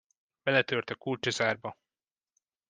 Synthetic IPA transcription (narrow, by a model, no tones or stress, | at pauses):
b̥ɛlɛt̪ørt̪ɛkult͡ʃɒzaːrbɒ